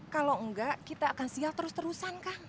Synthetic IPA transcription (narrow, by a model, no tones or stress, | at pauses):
kaloŋɡaʔkit̪aːkansialt̪əɾʊst̪əɾusankaŋ